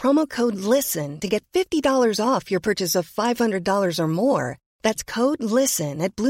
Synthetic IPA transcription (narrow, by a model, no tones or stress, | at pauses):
ɹ̥ɑmoʊkʰoʊdˡlɪsɨ̃ntɨɡɛtfɪftidɔlˠə˞zɔfjə˞pʰɜ˞t͡ʃɨsʌv̥faɪv̥hʌ̃ndɹɨdɔlˠə˞zə˞mɔɹ | ðætskʰoʊdˡlɪssɨ̃nɨt̚b̥lu